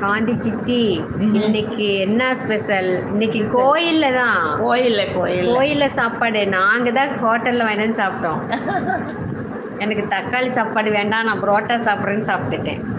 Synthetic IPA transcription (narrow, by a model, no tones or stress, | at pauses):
kaːɳɖit͡ʃːɪt̪ːi | ɪnːɛkːɯɛnːaspɛsɐlɪnːɛkːɯkoːjɪlːɐt̪ãːkoːjɪlːɐkoːjɪlkoːjɪlːɐsaːpːaːɽɯnaːŋɡɐt̪ãːhoːʈːɐlːʋãːɪʈɐnːɯsaːpɪʈːõː | ɛnɐkːɯt̪ɐkːaːlisaːpːaːɽɯʋeːɳɖaːnãːbɾoːʈːaːsaːpɪɾɐnːɯsaːpɪʈːɯʈːḛ̃ː